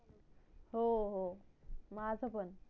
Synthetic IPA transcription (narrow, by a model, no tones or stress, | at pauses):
ɦoɦomad͡zəpən